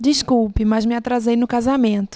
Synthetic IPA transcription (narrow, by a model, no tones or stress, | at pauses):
d͡ʒiskuwpɪmazmɪat̪ɾazejnʊkazamẽt̪ʊ̥